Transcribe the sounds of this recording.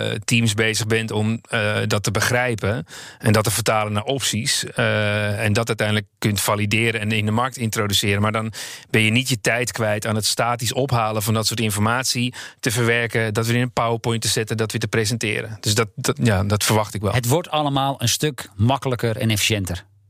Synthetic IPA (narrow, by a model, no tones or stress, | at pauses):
timsbeːzəɣbɛntɔmdɔtəbəxrɛjpəɛndɔtəfətaːlənaʔɔpsis | ɛndɔtœtɛjndələkkːøntfalidɪːəɾəɛnɪndəmark̚tɪntrodysɪːɾəmaːɹdɔnbɛnjənitjətɛjtkʋɛjtaːnətstaːtisɔpɦaːlˠəvɔndɔtsʊːɹtɪnfɔrmaːtsitəvərʋɛrkədɔtʋəɪnəpawəpʊjntəzɪtədɔtʋətəprezəntɪ̰ːɾəd̥øsdɔt̚jadɔtfərʋɑxtɪkʋɛ̰lɦətʋɔtɑləmaːlˠənstøkmɑkələkəɾɛ̰nefi̥ʃjɛntər